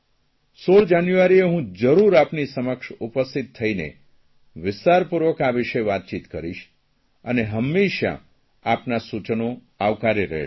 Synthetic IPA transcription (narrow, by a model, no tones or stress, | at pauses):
soɭd͡ʒanjuʋaɾieɦũd͡ʒəɾuɾapnisəməkʃupəst̪it̪ʰːəinḛ | ʋɪst̪aɾpuɾʋəkaʋɪʃeʋat̪̚t͡ʃit̪kəɾiʃ | əneɦəmːeʃja̰ | apnasut͡ʃəno | aʋkaɾiɾə̰ɦe